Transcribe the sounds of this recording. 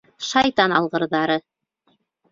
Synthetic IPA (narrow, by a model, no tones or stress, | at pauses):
ʃɑjt̪ɑnɑ̰lˠʁɤ̆ɾðɑɾɤ